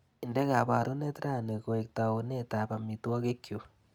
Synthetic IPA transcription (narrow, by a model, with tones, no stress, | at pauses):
i˨nde˦ɣa˨βa˨ɾo˦ne˦tɾa˦˨ne˨ko˨e˨k̚ta˨o˨ne˦ta˨ba˨mi˨twa˦ke˦kːjo˨